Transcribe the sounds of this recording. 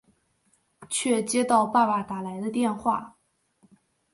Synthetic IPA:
t͡ɕʰɥɛ˥˩t͡ɕjɛ˥t̪ɑ˥˧ʊpa˥˩pa˨˩t̪a˨˩la˧˥ɪd̪ə˧t̪jɛ˥˧nxwa̰˥˩

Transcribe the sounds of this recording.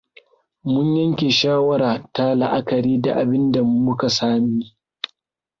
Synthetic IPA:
mʊ˦ɲjɐ˦ŋkʲe˨ʃaː˦wɐ˦ɾaː˨ta˦la˨ʔa˦kɐ˨ɾiː˦da̰˨ʔa˨bɪ˦nda˨˦mʊ˦ka˨saː˦miː˦

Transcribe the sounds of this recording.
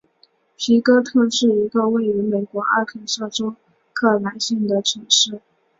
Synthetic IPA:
pʰi˧˥kɤ˥t̪ʰɤ˥˧ʂɻ̩˥˩i˧˥ɡə˧we˥˩ɪy˧˥me˨˩ɪkwɔ˧˥ʔa̰˥˩t̪ʰə˧˥nsɤ˥˩ʈ͡ʂo˥ʊ | kʰɤ˥˩na˧˥nɕi˥˩ŋd̪ə˩ʈ͡ʂʰi˨˩ʂɻ̩˥˩

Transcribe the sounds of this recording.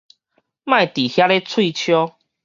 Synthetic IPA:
mã˥˨jt̪i˨˩hja˦le˦t͡sʰwi˥˧˨t͡ɕʰjɔ˦

